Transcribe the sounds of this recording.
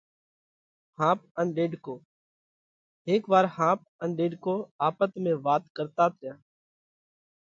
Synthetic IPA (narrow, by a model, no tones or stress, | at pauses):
hãːp̚ənɗeːɖkoː | ɦeːkʋaːɾhãːp̚ənɗeːɖkoːaːpət̪mẽːʋaːt̪kəɾt̪aːt̪ʰɪjãː